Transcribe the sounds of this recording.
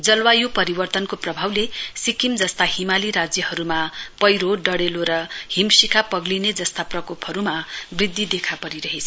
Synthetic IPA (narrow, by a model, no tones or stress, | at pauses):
d͡zʌlwajupʌɾibʌrt̪ʌnkoprʌbʱawlesikimd͡zʌst̪ahimaliɾad͡zjʌhʌɾumapʌjɾoɖʌɽeloɾʌhimsikapʌɡlined͡zʌst̪aprʌkopʰɦʌɾumabrid̪ʱːid̪ekʰapʌɾiɾʌɦet͡sʰʌ